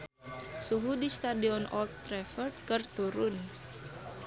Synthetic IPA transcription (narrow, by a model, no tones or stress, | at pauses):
suɦudist̪adiɔnʔɔ̰lt̪ːɾɛfər̚kərt̪uɾʊn